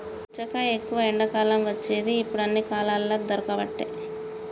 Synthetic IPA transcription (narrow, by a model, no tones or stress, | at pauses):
t͡ʃːɐkɐekːuʋɐeɳɖɐkaːlɐmʋɐt͡ʃːeːd̪iːpːuɽɐnːikaːlaːlːoːd̪ɔɾɐkɐʋɐʈːḛj